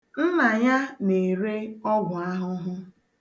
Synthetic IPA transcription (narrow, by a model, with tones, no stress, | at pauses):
m̩˦ma˨ɲa˦ne˨ɾe˦ɔ˦ɡʷʊ˨a˦ɦʊ˦ɦʊ˦